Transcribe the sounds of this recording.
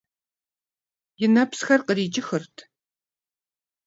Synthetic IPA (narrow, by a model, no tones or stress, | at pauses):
jɪnɐpsxɐrqəɾiːt͡ʃʼɪxɨrtʰ